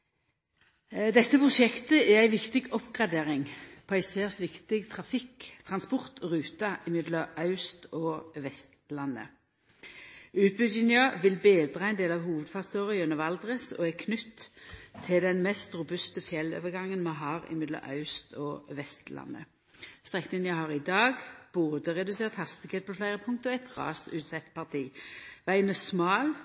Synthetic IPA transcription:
d̪ɛt̪ːəpʰʁʊʃɛkt̪əʔææɪʋɪkt̪ɪɡɔpɡʁɑd̪eːʁɪŋpʰɔæɪseːʁsʋɪkt̪ɪɡt̪ʰʁɑfɪkt̪ʰʁɑnspɔʁt̪ʁʉːt̪ɑʔɪmɪd̪ləʔɑʉst̪ɔʋɛst̪lɑnːə̰ | ʉːpʉd͡ʒɪnjɑʋɪlbeːd̪ʁɑæɪnd̪eːlɑʋhuːʋəd̪fɑʁst̪oːʁɪʉnəʋɑld̪ʁəsɔ̰ːækʰnʏt̪ʰː | ɪld̪ɛnmɛst̪ʁʊbʉst̪əfjɛlːo̰ːʋəɡɑŋːənmɑɦɑːʁɪ̰mɪd̪lɑ̰ʔɑ̰ʉst̪ʰɔʋɛst̪lɑ̰nːə̰ | st̪ʁɛknɪŋənjɑhɑʁɪd̪ɑːɡb̥oːd̪əʁɛd̪ʉseːʁt̪hɑst̪ɪɡheːt̪̚pʰɔflæɪʁəpʰʊŋkt̪əɔɛt̪ʁɑ̰ːsʉːt̪sɛt̪pʰɑʁt̪ʰiːʋæɪənɛsmɑːl

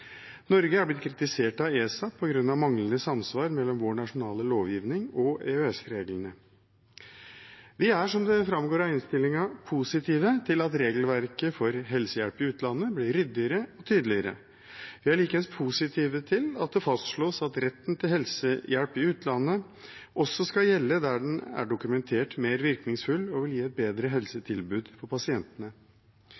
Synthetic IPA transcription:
nɔɾɡəhɑɾblɪt̪̚kʰɾɪt̪ɪseːʈɑeːsɑpʰɔɡɾʉnːɑʋmɑŋlənəsɑmsʋɑːɾmɛlːɔmʋoːɳɑʂʊnɑːləloːʋjiːʋnɪŋɔeøɛsɾeːɡlənə | ʋɪæʂɔmd̪ɛfɾɑmɡoːɾɑɪnst̪ɪlɪŋɑpʰusɪt̪ʰiːʋət̪ʰɪlɑt̪ɾeːɡəlʋæɾkəfɔɾɦɛlsəjæɽpɪʉːt̪ʰlɑnːəblɪɾʏd̪ːɪəɾəɔt̪ʰyːd̪lɪəɾə̰ | ʋɪæɭiːkəɛnspʰusɪt̪ʰiːʋət̪ʰɪlɑt̪̚d̪ɛfɑst̪ʂɭoːsɑt̪ɾɛt̪ːnt̪ʰɪlɦɛlsəjæɽpɪʉːt̪ʰlɑnːə | ʔɔsɔskɑjɛlːəd̪æɖɛnæ̰ɖʊkʉmɛnt̪ʰeːʈmeːɾʋɪɾknɪŋsfʉlːɔʋɪljiːɛt̪̚beːd̪ɾəɦɛlsət̪ʰɪlbʉːd̪fʰɔpɑsɪɛnt̪ənə

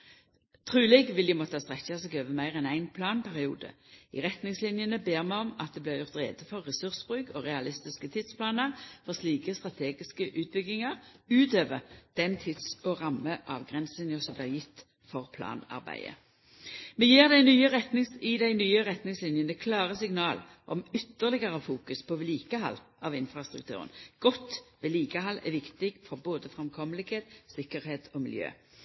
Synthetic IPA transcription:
t̪ʰʁʉːlɪɡʋɪld̪ɪmɔt̪ːəɑst̪ʁɛçːɑseːɡøːʋəmæɪʁɛnæɪnpʰlɑːnpʰæʁɪṵːd̪ə̰ḭʁɛt̪nɪŋslɪnjənəbeːʁmæɪɔmɑ̰t̪̚d̪eːblɪːʁjʊʁt̪ʁḛːd̪əfɔʁːɛsʉʁsb̥ʁʉːkʰoʁɛɑlɪst̪ɪskət̪ʰɪd̪̥spʰlɑːnəʁfɔʁsliːkəst̪ʁɑt̪ʰeːɡɪskəʔʉːt̪̚bʏɡːɪŋɑʁʉːt̪øːʋəd̪̥ɛnt̪ʰɪd̪sɔʁɑməʔɑ̰ːʋɡʁɛnslɪnjəsɔmblɪːʁjɪt̪ː | fɔʁpʰlɑ̰ːnɑ̰ʁbæ̰ɪə̰ | mɛjiːʁd̪æɪnyːəʁɛt̪nɪŋsɪd̪æɪnyːəʁɛt̪nɪŋslɪnjənəkʰlɑːʁəsɪŋnɑːl | ʔɔmʏt̪ːəʁlɪɡəʁəfuːkʉspʰɔʋɛliːkəhɑ̰lːʔɑʋɪnfʁɑst̪ʁʉk̚t̪ʰʉ̰ːʁə̰nɡ̥ɔt̪ːʋɛliːkəɦɑlːɛ̰ʋɪkt̪ɪɡfɔʁboːd̪əfʁɛmkʰɔməlɪɡeːt̪sɪkəʁheːt̪ʰɔmɪ̰ljø̰ː

